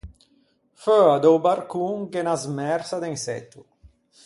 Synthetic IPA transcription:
føad̪owbaɾkuŋkenazmɛɾsad̪ensɛ̰t̪ːu

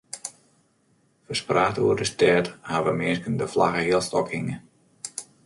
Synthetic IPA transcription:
fəspraːtṵːərdəstɛːthaʋəmɪskəndəflaɣəɦiəlˠstɔkhɪŋə

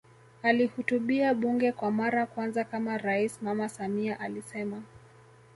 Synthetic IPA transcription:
alihutuɓiaɓuŋɡɛkwamaɾakwanzakamaɾaismamasamiaʔalisɛma

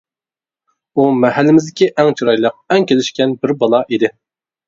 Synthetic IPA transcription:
umɛɦælːɪmɪzd̪ɪkʲiʔɛŋt͡ʃʰuɾɑjlˠəq̚ɛŋkʲelɪʃkʲɛnbɪɾbɑlˠɑʔid̪ɪ

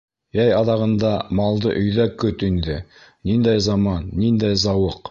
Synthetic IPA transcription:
jæjɑðɑʁɤ̆nd̪ɑmɑlˠd̪ɤʔɵ̆jðækɵt̪ind̪ɘː | ind̪æjzɑmɑnːind̪æjzɑwɤq

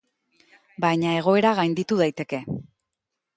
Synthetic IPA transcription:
bajɲae̞ɣ̞o̞e̞ɾaɣajnd̪it̪uð̞ajt̪e̞ke̞

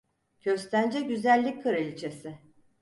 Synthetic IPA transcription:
ɟ̥ø̞st̪ʰænd͡ʒɛɟyzælʲːic̚ʲkʰɯɾelʲit͡ʃʰesɪ

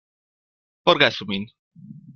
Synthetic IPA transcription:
poɾɣasumin

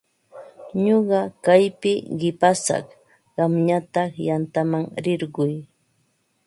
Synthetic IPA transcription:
ɲoɢɑkajpɪɢɪpasɑ̰χ | ɢɑmɲat̪ɑχjant̪amaŋɾɪɾɢʊj

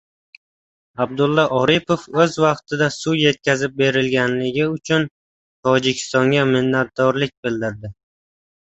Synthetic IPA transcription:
ab̚d̪ʊlˠːɒʔɒɾɪpʰofɵzvɑqt̪ʰɪd̪asuje̞t̪̚kʲazɪp̚be̞ɾɪlɡʲanlɪɡʲɪʊt͡ʃʰʊn | t̪ʰɒd͡ʒɪkʲʰɪ̥st̪ɒŋɡʲamɪnːat̪̚d̪ɒɾlɪk̚ʲbɪld̪ɪɾd̪ɪ

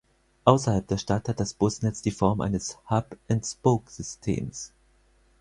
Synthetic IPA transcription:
ʔaʊsɐhalp̚d̥eːɐʃtathat̚d̥asb̥ʊsnɛt͡sd̥iːfɔɐmʔa̰ɪnəshapʔɪntspoːkz̥ʏstʰḛːms

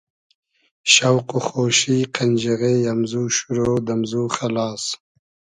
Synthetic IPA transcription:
ʃawquxoːʃiqʰand͡ʒaɣejamzuːʃuɾoːd̪amzuːxalɑːs

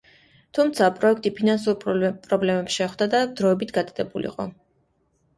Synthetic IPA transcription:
t̪ʰumt̪sʰapʼɾɔɛk̚ʰt̪ʼipʰinans̬uɾpʼɾɔblɛmɛpsʃɛχd̪ad̪ad̪ɾɔɛbit̪ʰɡad̪ad̪ɛbulḭqʼɔ

